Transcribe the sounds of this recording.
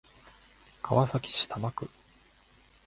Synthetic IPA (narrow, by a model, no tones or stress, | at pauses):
kʰaβasakʲi̥ɕi̥t̪ʰamakɯ̟